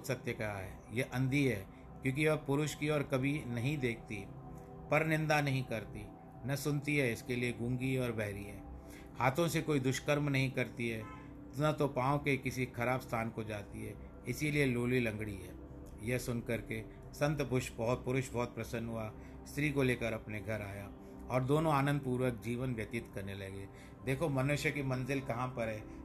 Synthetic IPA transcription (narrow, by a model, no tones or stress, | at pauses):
sɐt̪jəkaaɦɛːjeʔɐ̃nd̪iɦɛː | kjõːk̬iʋɐpʊɾʊʃkiɔːɾkɐbʱinɐɦĩd̪eːk̚ʰt̪i | pɐɾnɪ̃nd̪anɐɦĩkɐɾt̪i | nɐsʊnt̪iɦɛɪskelieɡũːŋɡiɔːɾbʱɛɦɾiɦɛː | haːt̪ʰõsekoːid̪ʊʃkəɾmnɐɦĩkɐɾt̪iɦɛː | nɐt̪opãːõkekɪsikʰɐɾaːbst̪ʰaːnkod͡ʒaːt̪iɦɛː | ɪsilieloːlilɐ̃ŋɡɽiɦɛː | jɐɦsʊnkɐɾke | sɐ̃nt̪bʊʃbɔɦʊt̪̚pʊɾʊʃbɔːt̪̚pɾɐsənɦʊa | st̪ɾiːkoleːkəɾɐpneɡʱɐɾaːja | ɔːɾd̪oːnõaːnə̃nd̪̚puːɾwək̚d͡ʒiːʋənʋjɐt̪ɪt̪kɐɾnelɐɡeː | d̪eːkʰomɐnʊʃjəkimɐ̃nzɪlkɐɦãpɐɾɦɛː